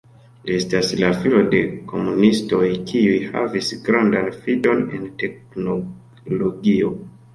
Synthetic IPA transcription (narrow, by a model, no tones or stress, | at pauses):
liestaslafilo̞de̞kʰo̞munisto̞jkʰiujha̰visɡɾandanfido̞ne̞̰nte̞k | no | loɡio̞